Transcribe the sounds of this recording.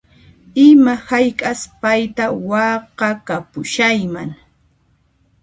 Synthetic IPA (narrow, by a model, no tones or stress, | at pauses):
ɪmahajkʼaspajt̪awɑqɑkapʊʃajmaŋ